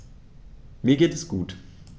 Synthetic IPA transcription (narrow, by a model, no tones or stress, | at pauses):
miːɐɡeːtɛsɡ̥uːt